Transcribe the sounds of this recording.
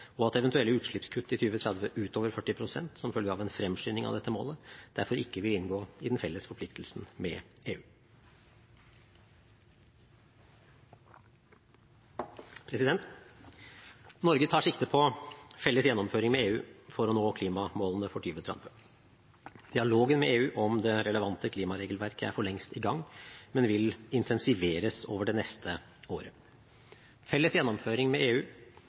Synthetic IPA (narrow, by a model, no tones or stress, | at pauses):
ɔɑt̪ɛʋɛnt̪ʉɛlːəʉːt̪ʂɭɪpskʰʉt̪ːɪt̪ʰyːʋət̪ʰɾɛd̪ʋəʔʉːt̪ʰoːʋəɾfœʈːɪpʰɾʊsɛ̰nt̪sɔmfœlɡəɑʋɛnfɾɛmʂyːnɪŋɑ̰ʋd̪ɛt̪ːəmo̰ːləd̪̥æɾfɔɾɪkːəʋɪlɪnɡoːɪd̪nfɛlːəsfɔɾpʰlɪkt̪ʰəlsn̩mɛ̰eːʉː | pʰɾɛsɪd̪ɛnt̪ | nɔɾɡət̪ʰɑːʂɪkt̪əpʰɔfɛlːəsjɛnːɔmføːɾɪŋmɛeːʉːfɔɾɔnoːkʰliːmɑmoːln̩əfɔʈʰyːʋət̪ʰɾɑ̰mpʰə | d̪̥ɪɑloːɡənmɛeːʉːʔɔmd̪ɛɾɛləʋɑnt̪əkʰliːmɑɾeːɡəlʋæɾkʰəæ̰ɾfɔɭɛŋst̪ɪɡɑŋːmɛnʋɪlɪnt̪ʰɛnsɪʋeːɾəso̰ːʋəɖɛnɛst̪ʰə | oːɾə | fɛlːəsjɛnːɔmføːɾɪŋmɛeːʉː